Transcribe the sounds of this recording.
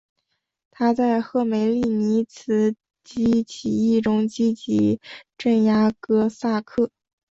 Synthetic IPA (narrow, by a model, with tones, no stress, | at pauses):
t̪ʰa˥t͡sa˥˧ɪxɤ˥˩me˨˩ɪli˥˩ni˧˥t͡sʰɹ̩˧˥ | t͡ɕi˥t͡ɕʰi˨˩i˥˩ʈ͡ʂʊ˥ŋt͡ɕi˥t͡ɕi˧˥ʈ͡ʂə˥˩nja˥kɤ˥sa˥˧kʰɤ˥˩